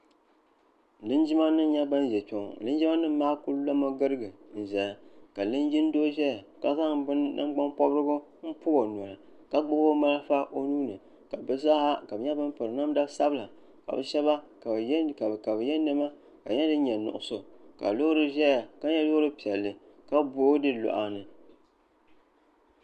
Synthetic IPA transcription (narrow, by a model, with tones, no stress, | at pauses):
lɨ˦nd͡ʒɪ˦ma˦nɨ˦ɲɛ˦ba˦n˦ʒɛ˨t͡ʃo˨ŋ˨lɨ˦nd͡ʒi˦ma˦nɨ˦m˦maː˦ku˦llo˦ma˦ɡɨ˦ɾɨ˦ɡɨ˨n̩˨ʒɛ˨ja˨ka˨lɨ˦nd͡ʒi˦n˦do˦ʒɛ˦ja˨ka˦za˦ŋbɨ˦nːa̰˦m˦ɡ͡ba˦mpɔ˦bɾɨ˦ɡʊ˦ | m̩˦pʊ˦ɡo˨nɔ˨ɾɨ˨ | ka˦ɡ͡bʊ˦bo˦ma˦lfa˦ʔo˦nuː˦nɨ˨ | ka˨bɨ˦za˦a˦ka˨bɨ˨ɲɛ˦bɨ˦mpɨ˨ɾɨ˨na˦m˦da˦sa˦bɨ˦la˨ | ka̰˨bɨ˨ʃɛ˦βa˦kka˨ka˨bɨ˨jɛ˦nɨ˦ma˦ | ka˨ɲɛ˦dɨ˦ɲɛ˨nʊ̰˨ʔʊ˨so˨ka̰˨lo˦ɾɨ˦ʒɛ˦ja˨ka˦ɲɛ˦lo˦ɾɨ˦pi˨ɛ˨lːɨ˨ | ka˦bo˦dɨ˦lo̰˨ʔa˨nɨ˨